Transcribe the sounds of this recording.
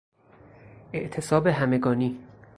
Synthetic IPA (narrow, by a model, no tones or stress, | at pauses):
ʔe̞ʔt̪ʰe̞sɒːbe̞ɦæme̞ɡɒːniː